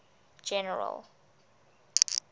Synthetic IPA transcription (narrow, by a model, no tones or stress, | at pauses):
d͡ʒɛnɛɹa̰l